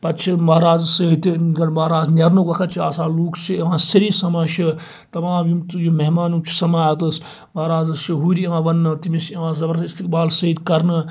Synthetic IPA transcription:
pɐt͡ʃʰimɐɾaːzsɐit̪iɡɐnmɐːɾaːznʲɐɾnokʋɐkʰɐt̪t͡ʃʰiaːsaːluːkʰt͡ʃʰiʋãːsɐɾisɐmaːʃi | t̪ɐmãːmjumt̪jumeɦmaːnut͡ʃʰi̥sɐmaːjɐt̪ɨs | mɐɾaːzɐʃiɦuːɾiãːʋɐnːɨt̪imisɐʋãːzɐbɐɾist̪ikbaːlsɐid̪kɐɾnɨ

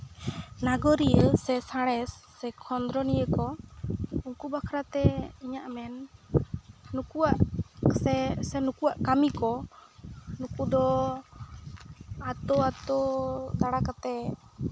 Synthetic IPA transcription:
naɡɔɾijəsɛsaɽ̃ɛsːɛkʰɔnd̪ɾɔnijəkɔ | uŋkubakʰɾat̪ɛiɲaʔmɛn | ukuaʔsɛsɛnukuaʔkamikɔ | nukud̪ɔ | at̪ɔat̪ɔt̪aɽakat̪ɛ

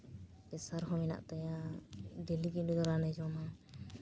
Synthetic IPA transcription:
pɛsaɾɦɔmɛna̰ʔt̪ajaɖeliɡidud̪ɔɾanɛd͡ʒɔma

